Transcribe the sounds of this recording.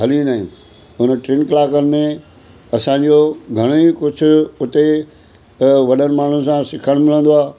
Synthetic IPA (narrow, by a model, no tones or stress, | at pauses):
ɦɐliũnaːɦɪ̃ | ʊnəʈɾɪnklaːkənɪ̆mẽ | ɐsãːɲ̆d͡ʑoɡʱɐɽ̃ikʊd͡ʑʱʊ̆ʊt̪e | ʋɐɗənɪ̆maːɳ̤unɪ̆sãsɪkʰəɽ̃mɪl̤ə̃n̆d̪oaː